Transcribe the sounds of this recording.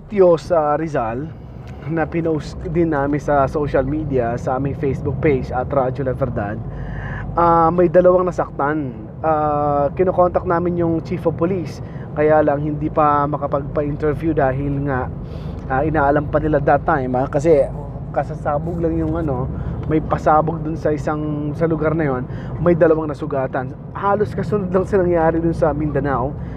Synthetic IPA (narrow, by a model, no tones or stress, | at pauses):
t̪josɐɾɪzal | nɐpɪnɐʔʊsd̪ɪnːaːmɪnsɐsoʃɐlmiːd̪iɐsɐʔaːmɪŋfejsbʊk̚pejd͡ʒɐt̪ɾad͡ʒolɐvɛɾd̪ad̪̚ʔamɐjd̪ɐlɐwaŋnɐsɐk̚t̪an | ʔakɪnoko̞nt̪ɐk̪̚naːmɪnjʊŋt͡ʃifopolis | kɐjaːlɐŋhɪnd̪iːpɐmɐkɐpɐɡ̚pɐʔint̪ɛɾvjud̪aːɦɪlŋaʔ | ʔaːʔɪnaːʔɐlampɐnɪlad̪ɐt̪ːajmakɐs̬ɛ | kɐsasaːbʊɡlɐŋjʊŋʔɐno̞mɐjpɐsaːboɡ̚d̪ʊnsɐʔɪsaŋsɐlʊɡaɾnɐjo̞n | mɐjd̪ɐlɐwaŋnɐsʊɡaːt̪ɐn | haːloskɐsʊnod̪lɐŋsɐnɐŋjaːɾɪd̪ʊnsɐmɪnd̪ɐnaw